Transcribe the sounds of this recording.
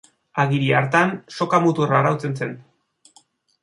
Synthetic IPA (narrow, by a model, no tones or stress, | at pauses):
aɣiɾiaɾt̪anso̞kamut̪uraɾawt͡se̞nse̞n